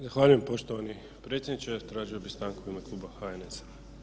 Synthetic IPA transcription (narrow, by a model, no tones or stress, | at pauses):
zaxʋaːʎuje̞mpo̞ʃt̪oʋani | pɾe̞ːt̪sʲed̪nit͡ʃet̪ɾaːʒio̞bist̪ɾaŋko̞ʋimaklˠuːbaxaenesḁ